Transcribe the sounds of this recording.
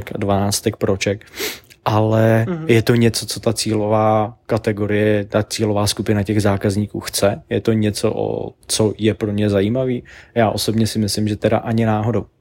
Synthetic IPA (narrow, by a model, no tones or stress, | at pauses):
ka̰dvanaːt͡st̪ɛk̚pɾot͡ʃɛkʔalɛjɛt̪o̞ɲɛt͡so̞t͡so̞t̪at͡siːlo̞vaːkat̪ɛɡo̞ɾɪjɛt̪at͡siːlo̞vaːskupɪnacɛɣzaːkazɲiːkuːxt͡sɛjɛt̪o̞ɲɛt͡so̰ʔo̰t͡so̞jɛpɾomɲɛzajiːmaviːjaːʔo̞so̞bɲɛsɪmɪslɪmʒɛt̪ɛɾa̰ʔaɲɪnaːɦo̞dow